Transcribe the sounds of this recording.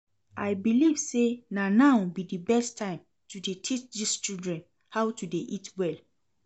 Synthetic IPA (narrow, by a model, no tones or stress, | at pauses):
ʔaɪbiliv̥senanaʊbidibɛstʰːãɪ̃m | tudetʰit͡ʃdist͡ʃildɹɛ̃n | haʊtudeʔitwɛl